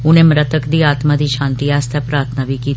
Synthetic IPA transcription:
uñemɾət̪əkd̪iːat̪mad̪ʱiːɕãnt̪iːast̪japɾat̪ʰnaʋiki

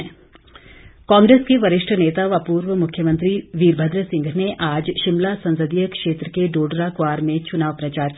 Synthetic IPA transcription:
kãːŋɡɾeːskeʋɐɾɪʃʈʰəneːt̪aʋapuːɾʋəmʊkʰjəmə̃nt̪ɾiʋiːɾbʱəd̪ɾəsɪ̃ŋɡʱneʔaːd͡ʒʃɪmlasɐ̃nsəd̪ijəkʃeːt̪ɾəkeɖoːɖɾakʋaːɾmẽt͡ʃʊnaːʋpɾɐt͡ʃaːɾk

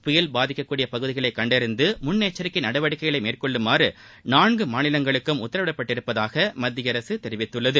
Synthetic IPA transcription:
pʊjɐlbaːðɪkːɐkːuːɽɪjɐpɐɣɯðɪɣɐɭɐɪkːɐɳɖɪɾɯnd̪ɯmʊnːeːt͡ʃːɐɾɪkːɪnɐɽɐʋɐɽɪkːɐjɣɐɭɐɪmeːrkɔɭːɯmaːɾɯ | naːɳɡɯmaːnɪlɐŋɡɐɭɯkːɯmʊt̪ːɐɾɐʋɪɽɐpːɐʈːɪɾɯpːɐðaːɣɐmɐd̪ːɪjɐɾɐsɯt̪ɛɾɪʋɪt̪ːɯɭːɐðɯ

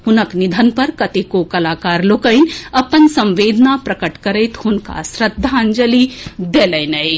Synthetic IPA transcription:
hunəknid̪ʱɐnpɐɾkɐt̪ekokɐlaːkaːɾlokəjnʲɐpːənsɐ̃mʋeːd̪ʱnapɾɐkəʈkɐɾəjt̪hunka̰sɾɐd̪ʱːand͡ʒɐlid̪elɐjnɐj

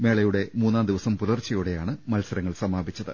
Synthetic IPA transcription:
me̞ːɭɐjuɽe̞muːnːaːmd̪iʋɐsɐmpuðɐrt͡ɕːɐjuɽe̞jaːɳɨmɐlsɐɾɐŋːɐɭsɐmaːbʱit͡ɕːɐðɨ̰

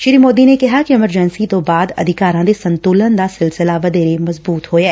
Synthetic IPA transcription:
ʃɪɾimoːd̪inekɐɦakiɪməɾd͡ʒɛnsit̪obaːd̪ɐ̰d̪ʱɪkaːɾãd̪esɐ̃nt̪uːlə̃nd̪asɪlsɪlaʋɐd̪eːɾemɐzbuːt̪ɦoːɛː

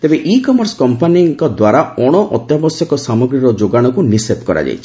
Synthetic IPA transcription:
t̪ebeʔikɔmɔɾskɔmpaniŋkɔd̪waɾaɔɽ̃ɔʔɔt̪jɔbɔsjɔkɔsamɔɡɾiɾɔd͡ʒoɡaɽ̃ɔkunisep̪kɔɾa̰d͡ʒa̰jt͡ʃʰi̥

